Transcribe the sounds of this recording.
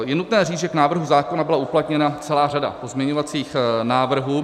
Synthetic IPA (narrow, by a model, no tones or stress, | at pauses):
jɛnut̪nɛːriːd͡zʒɛknaːvr̩ɦuzaːko̞nabɪlauplat̪ɲɛnat͡sɛlaːrada̰po̞zmɲɛɲovat͡siːxnaːvr̩ɦu